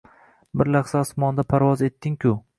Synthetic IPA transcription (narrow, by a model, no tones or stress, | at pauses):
bɪɾlaχsasmɒnd̪apʰaɾvɒze̞t̪ʰːɪŋkʰʲʊ